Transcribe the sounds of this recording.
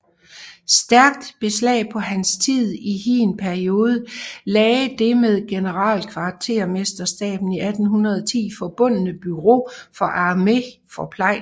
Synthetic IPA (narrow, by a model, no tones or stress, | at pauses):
sd̥æɐɡ̥̚d̥b̥e̝slɛ̰ːpʰɒ̽ɦænst͡sʰið̰ˠihinpʰæɐio̝ːð̞ˠəlɛːd̥e̝með̞ˠɡ̥e̝nəʁɑ̰̈ːlkʰʋɑ̥̈ːt͡sʰe̝̰ɐ̰me̝sd̥ɐsd̥ɛ̰ːb̥n̩iæd̥n̩ɦunʁɐðˠɒt͡sʰḭːfɒ̽b̥ɔ̽n̰ənəb̥yʁo̰fɒ̽ʔɑ̈ːme̝fɒ̽pʰlɑ̈ɪ̰